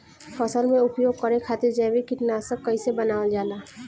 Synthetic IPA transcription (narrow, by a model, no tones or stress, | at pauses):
fʰɐsəlmẽʊpjoːɡkəɾekʰaːt̪eɾd͡ʒɛbikɪʈnaːsək̚kəisebənaːʋəld͡ʒaːlaː